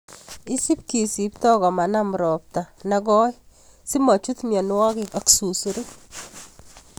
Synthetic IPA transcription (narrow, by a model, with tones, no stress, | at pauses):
i˦si˦p̚ki˨si˨p̚tɔ˦ɣɔ˨ma˨na˦m˨ɾɔ˨p̚ta˨nɛ˦ɡɔ˦j | si˦ma˨t͡ʃu˦t̪mjɔ˨n˦wa˦kɪ˨ka˦ksu˨su˨ɾu˦k